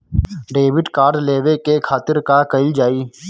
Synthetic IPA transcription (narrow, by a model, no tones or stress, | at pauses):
ɖeːʋɪɖkaːɾɖleːʋekekʰaːt̪ɪɾkaːkəɪld͡ʒaːiː